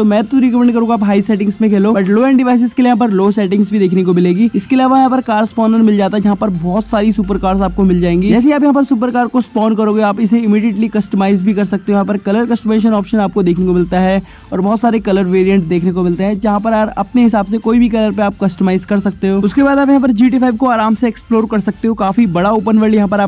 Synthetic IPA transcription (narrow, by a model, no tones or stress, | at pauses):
t̪oːmɛ̃ːt̪uɾɪkəmɛ̃ːɳɖkɐɾũːɡaːpɦaːisɛːʈɪ̃ŋsmẽkʰeːloːbɐʈloːɛ̃ːɳɖɪʋaːɪs̬ɪskelijɦãp̬ɐɾloːsɛːʈɪ̃ŋɡzbʱid̪eːkʰnekomɪleːɡiːɪskeːlaːʋajɐɦãpɐɾkaːɾspɔːnənmɪld͡ʒaːt̪aɦɛd͡ʒɐɦãpɐɾbɔːt̪saːɾisup̬əɾkaːɾzaːp̚komɪld͡ʒaːẽːŋɡiːd͡ʒɛːs̬eaːpjɐɦãːpɐɾsuːp̬əɾkaːɾkospɔːnɖkɐɾoːɡeaːpɪseɪmiːɖijeːʈlikɐsʈəmaːɪzbʱikɐɾsɐk̚t̪eɦõjɐɦãpɐɾkɐləɾkɐsʈəmeːʃ̬ənɔːpʃənaːp̚kod̪eːkʰnekomɪlt̪aɦɛ | ɔːɾbɔɦːt̪saːɾekɐləɾʋeːɾijə̃ɳʈsd̪eːkʰnekomɪlt̪eɦɛ̃d͡ʒɐɦãpɐɾɐɾɐ̰pneɦɪsaːbsekoːibʱikɐləɾpeaːp̚kɐsʈəmaːɪzkɐɾsɐk̚t̪eɦoːʊskebaːd̪aːp̬jɐɦãp̬ɐɾd͡ʒiːʈ̬iːfʰaːɪʋkoaːɾaːmseːksploːɾkɐɾsɐk̚t̪eɦõkaːfibɐɽaoːpənʋəljɐɦãp̬ɐɾaːp